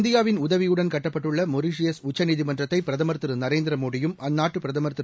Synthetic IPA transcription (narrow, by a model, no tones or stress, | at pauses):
nd̪ɪjaːʋɪnʊðɐʋɪjɯɽɐnkɐʈːɐpːɐʈːɯɭːɐmɔɾiʂɪjɐsʊt͡ʃːɐniðɪmɐndrɐt̪ːɐɪpːɪɾɐðɐmɐɾt̪ːɯɾɯnɐɾeːnd̪ɪɾɐmoːɽɪjɯmɐnːaːʈːɯpɪɾɐðɐmɐɾt̪ɪɾ